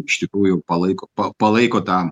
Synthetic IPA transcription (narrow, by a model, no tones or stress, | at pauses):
ɪʃʲt̪ʲɪkɾuːjʊpɐlˠɐɪkoːpɐpɐlˠɐɪkoːt̪ɑ